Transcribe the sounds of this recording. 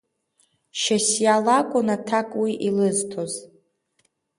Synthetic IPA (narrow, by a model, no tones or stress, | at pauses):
ʃasjalakʷʼʊnatʰakʼwiʔilɨztʰo̞z